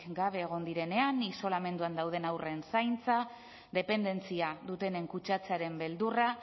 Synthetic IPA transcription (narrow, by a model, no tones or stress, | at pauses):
ɡaβ̞e̞ːɣ̞o̞nd̪iɾe̞ne̞aniso̞lame̞nd̪uand̪awð̞e̞nawre̞nsajnt͡sa | ðe̞pe̞nd̪e̞nt͡siaðut̪e̞ne̞ŋkut͡ʃat͡seaɾe̞mbe̞ld̪ura